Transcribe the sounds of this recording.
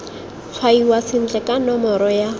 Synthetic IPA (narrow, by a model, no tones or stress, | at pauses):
q͡χʰwaiwasɪn̩d͡ɮɛkʼanɔmɔɾɔja